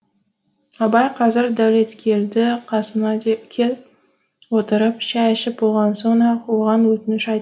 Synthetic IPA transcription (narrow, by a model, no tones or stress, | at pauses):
ɑbɑjqʰɑzɪɾd̪awle̞t̪kʲʰe̞ld̪ɪqʰɑsənɑkʲʰe | wot̪əɾɪpʃæʃɪp̚bolˠʁɑnsonɑqʰolˠʁɑnwɵt̪ɪnɪʃɑjt̪